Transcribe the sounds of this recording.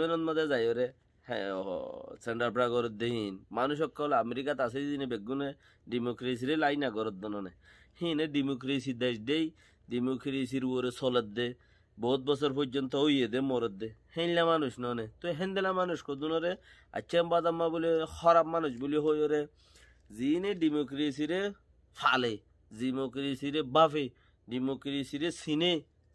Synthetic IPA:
ɛnɔt̪mad̪ezajɔɾḛ | sɛɳɖaɾpɾaɡɔɾɔd̪ːeɦĩːnmanuʃ̬ɔkːɔlameɾikat̪as̬ed̪inebeɡune | ɖimokɾes̬iɾelajnaɡɔɾɔd̪ːenɔne | hĩneɖimokɾesid̪eʃɖej | ɖimokɾes̬iɾuɔɾesɔled̪e | bɔt̪̚bɔsɔɾpɔɾd͡ʒɔnt̪ɔɦojed̪emɔɾɔd̪ːehẽlamanuʃnɔnet̪ɔɦẽnd̪elamanuʃkɔd̪unɔɾe | a̰t͡ʃːʃʰambad̪amːabuliɾxɔɾap̚manuʃbuliɦojɔɾe | zineɖimokɾes̬iɾe | fʰa̰le | zimokɾesiɾebafe | ɖimokɾesiɾesine

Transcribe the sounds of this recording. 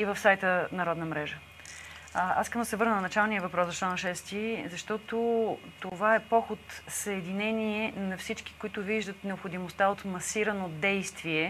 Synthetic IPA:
ivəfsajt̪ənɐɾɔd̪nəmɾɛʒə | a̰siskəmd̪ɐsɛvɤɾnənɐnɐt͡ʃalˠnijəvɐpɾɔsɐt͡ʃlanɐʃɛst̪izɐʃt̪ɔt̪ot̪ovaɛpɔxʊt̪səɛd̪inɛniɛnɐfsit͡ʃk̟i̥kʊit̪ʊviʒd̪ət̪nɛopxod̪imost̪aot̪mɐsiɾɐnod̪ɛjst̪viɛ

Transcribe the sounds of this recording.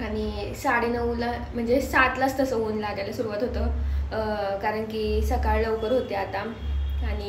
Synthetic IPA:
aɽ̃i | saɽenəʋula | m̤əɳd͡zesat̪last̪əsəʋoːnlaɡalesuɾuʋat̪ɦot̪ə | kaɾəɳkisəkaɭləʋkəɾɦot̪eat̪a | aɽ̃i

